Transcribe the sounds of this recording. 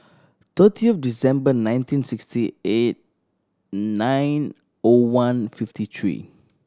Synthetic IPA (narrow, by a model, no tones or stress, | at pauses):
t̪ətʰiɔfdisɛ̃mbənãj̃ntĩnsikstiet̚ | nãjn | owãnfiftit̪ʰɹḭ